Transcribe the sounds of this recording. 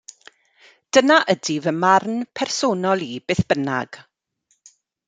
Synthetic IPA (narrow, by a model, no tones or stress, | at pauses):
d̥ənaʔədivəmarnpʰɛrsoːnɔlˠibeːθb̥əna̰ɡ̥